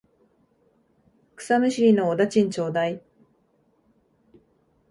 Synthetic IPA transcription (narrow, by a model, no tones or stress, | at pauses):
kɯ̟̥samɯ̟ɕiɾʲinoːd̪at͡ɕĩɲ̟t͡ɕo̞ːd̪ai